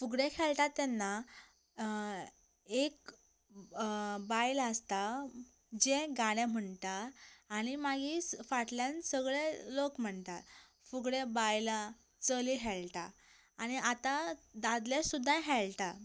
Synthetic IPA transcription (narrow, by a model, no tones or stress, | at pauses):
fuɡɽẽkʰɛlt̪at̪ːɛnːa | ek | bajləst̪a | d͡ʑẽɡaɽ̃ẽm̤əɳt̪aːɽ̃imaɡisfaʈljãnsəɡɭelokm̤əɳt̪at̪ | fuɡɽebajla | t͡səliɦɛlt̪a | aɽ̃iat̪ad̪ad̪lesud̪ʱːãɦɛɭt̪a